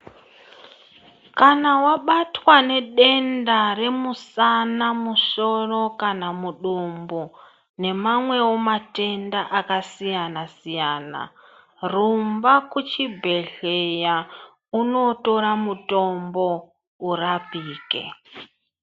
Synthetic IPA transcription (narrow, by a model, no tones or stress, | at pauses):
kanawaɓatwane̞ɗe̞ndare̞musanamuso̞ro̞kanamuɗumbo | ne̞mamwe̞womate̞ndaʔakasijanasijaːna̰ | rumbakut͡ʃibʱe̞ɮe̞ja | uno̞to̞ɾamuto̞mbo̞ | urapiːkḛ